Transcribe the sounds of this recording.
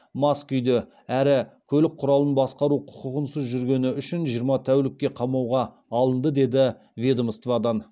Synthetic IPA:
mɑskʏjd̪e | æɾɪkʲʰɵlɪk̚qʰʊɾɑlˠənbɑsqɑɾuqʰʊ̥qəʁənsəzʒʏɾɡʲe̞nɪʏʃɪnʒijəɾmɑt̪ʰæwlɪk̚ʲːe̞qʰɑmɑwʁɑː | lˠənd̪əd̪e̞d̪ɪ | vʲed̪omst̪vɑd̪ɑn

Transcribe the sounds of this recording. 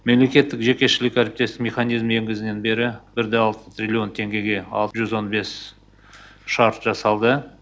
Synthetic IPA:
me̞mle̞kʲe̞t̪ːɪkʒe̞kʲe̞ʃɪlɪkæɾɪp̚t̪e̞st̪ɪmʲeχɑnijzme̞ŋɡʲɪzɪne̞nbe̞ɾɪbɪɾd̪eɑlˠt̪ə̥t̪ɾʲilʲio̞nt̪ʰe̞ŋɡʲe̞ɡʲe̞ɑ̰lˠt̪əʒʏzwo̞nbe̞s | ʃɑɾt̪ʒɑsɑlˠd̪ə

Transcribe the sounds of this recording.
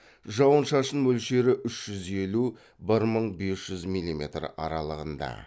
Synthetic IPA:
ʒɑwənʃɑʃənwɵlʃe̞ɾɪʔʏʃʒ̥ʏze̞lu | bɪɾməɴbe̞sʒ̥ʏzmijlʲːimʲe̞t̪rɑ̰ɾɑlˠəʁənd̪ɑ̰

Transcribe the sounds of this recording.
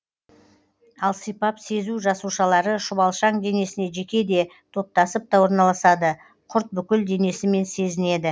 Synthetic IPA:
ɑlˠsəjpɑpse̞zuʒɑsuʃɑlˠɑɾəʃʊβɑlˠʃɑɴd̪e̞ne̞sɪne̞ʒe̞kʲe̞d̪e̞t̪ʰo̞p̚t̪ɑsəp̚t̪ɑwoɾnɑlˠɑsɑd̪ə | qʰʊɾt̪̚bʏkʲɪld̪e̞ne̞sɪme̞nse̞zɪne̞d̪ɪ

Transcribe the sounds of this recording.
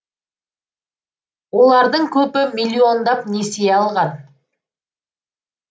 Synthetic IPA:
wo̞lˠɑɾd̪əɴkʲʰɵpɪmilʲːio̞nd̪ɑpne̞seɑlˠʁɑn

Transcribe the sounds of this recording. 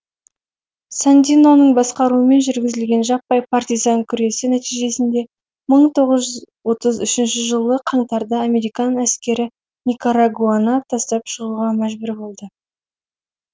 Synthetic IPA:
sant̪ʲino̞nəɴbɑsqɑɾuəme̞nʒʏɾɡʲɪzɪlɡʲe̞nʒɑp̚ːɑjpʰɑrt̪ʲijzɑŋkʲʰʏɾe̞sɪnæt̪ijʒe̞sɪnd̪e̞ | məɴt̪ʰo̞ʁəzʒʏz | wo̞t̪əzʏʃɪnʃɪʒəlˠəqʰɑɴt̪ɑɾd̪əame̞ɾijkɑnæskʲe̞ɾɪ | nʲikoɾaɡuanɑt̪ʰɑst̪ɑpʃəʁuʁɑmæʒbʏɾbo̞lˠd̪ə

